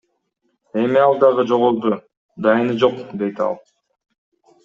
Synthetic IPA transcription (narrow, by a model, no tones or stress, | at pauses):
e̞miɑlˠd̪ɑʁɯd͡ʒoʁolˠd̪u | d̪ɑjɯnɯd͡ʒo̞qd̪e̞jt̪ɑ̰lˠ